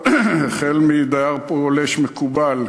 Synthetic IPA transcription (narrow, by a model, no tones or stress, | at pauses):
χelmid̪aaʁpooleʃmekubal